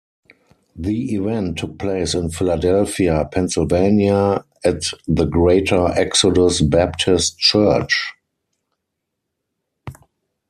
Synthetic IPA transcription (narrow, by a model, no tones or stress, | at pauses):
ðiivɛ̃ntʰːʊk̚pʰleɪsɪ̃nfɪladɛlfiapʰɛ̃nsɪlvẽɪ̃nja | ætðəɡɹeɪtʰə˞ʔɛksɔdʊsbæp̚tʰɪstt͡ʃɜ˞t͡ʃ